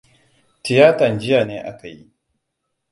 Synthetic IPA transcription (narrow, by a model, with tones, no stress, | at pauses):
tɪ˨jaː˦tɐ˨nd͡ʒɪ˦jaː˨neː˦ʔa̰˦ka˨jḭ˦ʔ